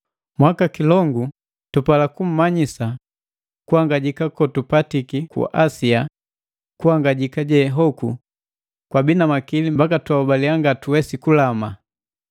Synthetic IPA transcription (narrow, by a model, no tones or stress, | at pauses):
mwakakilɔŋɡu | tupalakum̩maɲisa | kuhaŋɡaɟikakɔtupatikikṵʔasia | kuhaŋɡaɟikaɟɛɦɔkṵ | kwabinamakilimbakatwaubaliaŋɡatuwɛsikulama